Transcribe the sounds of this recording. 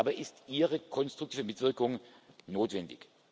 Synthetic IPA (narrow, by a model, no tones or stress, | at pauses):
bɐʔɪstʔiːʁəkʰɔnstʁ̥ʊktʰiːvəmɪtv̥ɪɐkʊŋ | noːtv̥ɛndɪ̰ç